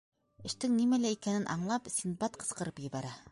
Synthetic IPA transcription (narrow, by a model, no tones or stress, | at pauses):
ɘ̆ʃt̪ɘŋnimælæikænɘnʔɑ̰ɴlˠɑpsʲin̚bɑt̪qɤ̆sqɤ̆ɾɤpjɘ̆βæɾæ